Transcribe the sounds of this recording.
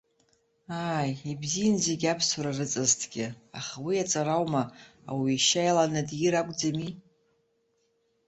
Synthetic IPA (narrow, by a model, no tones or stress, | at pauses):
aːjibzijanzeɡʲapʰsuɾarɨt͡sʼɨztʰɡ̥ʲɪaχawiat͡sʼaɾawma | awiːʃajlanɨdjiɾakʷʼd͡zami